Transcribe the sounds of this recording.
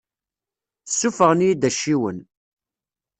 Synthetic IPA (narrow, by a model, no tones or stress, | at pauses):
θəsːufəʁənjid̪æʃːiwən